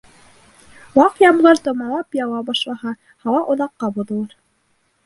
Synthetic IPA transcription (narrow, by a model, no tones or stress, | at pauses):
wɑqjɑmlɤɾt̪ŏmɑlˠɑpjɑwɑbɑʃlˠɑhɑ | hɑwɑʔŏðɑqːɑbuðɤ̆lˠɑɾ